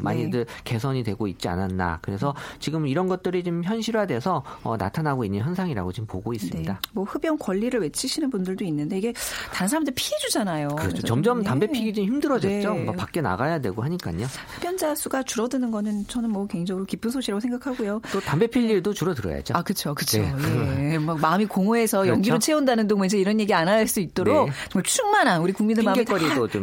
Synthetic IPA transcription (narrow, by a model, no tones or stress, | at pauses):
ma̰ɲidɯke̞sʰʌɲidwe̞ɡoit̚t͡ɕ͈ia̰nanːa̰kɯɾe̞sʰʌt͡ɕiɡɯmiɾʌnɡʌt̚t͈ɯɾit͡ɕimçjʌnɕʰiɾwadwe̞sʰʌʌna̰tʰanaɡoinːɯnçjʌnsʰaŋiɾa̰ɡot͡ɕimmpoɡois͈ɯmnɲidamwʌɸɯbjʌnkwʌʎːiɾɯɭwe̞t͡ɕʰiɕʰinɯnbundɯɭdoinːɯnde̞iɡe̞taɯnsʰaɾamndɯɭipʰiɦe̞d͡ʑud͡ʑanajokɯɾʌt͡ɕʰot͡ɕʌmd͡ʑʌmttambe̞pʰiɡid͡ʑimçimdɯɾʌd͡ʑet͡ɕ͈omapak͈e̞na̰ɡajadwe̞ɭɡoɦaɲik͈a̰ɲo | hɯb̥jʌnd͡ʑasʰuɡat͡ɕuɾʌdɯnɯnɡʌnɯnt͡ɕʌnɯnmwʌkwe̞ŋd͡ʑʌŋɯɾokip͈ɯnsʰoɕʰiɾaɡosʰeŋɡakʰaɡojototambe̞pʰiʎːiɭdot͡ɕuɾʌdɯɾʌ̰ja̰d͡ʑoakɯt͡ɕʰokɯt͡ɕʰojemʌkmaɯmikoŋoe̞sʰʌjʌŋɡiɾot͡ɕʰe̞undanɯndoŋind͡ʑeiɾʌnje̞ɡianaɭs͈uit̚t͈oɾokt͡ɕʰɯmaɭt͡ɕʰuŋmananuɾikuŋmindɯɭmaiɾidot͡ɕom